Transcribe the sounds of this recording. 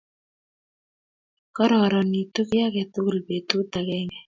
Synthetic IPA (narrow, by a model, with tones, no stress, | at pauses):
kɔ˦ɾɔ˨ɾɔ˨ni˨t̪u˦kja˦kɛ˨t̪ʊ˦klbe˨t̪u˦t̪a˨kɛ˦ŋɛ˨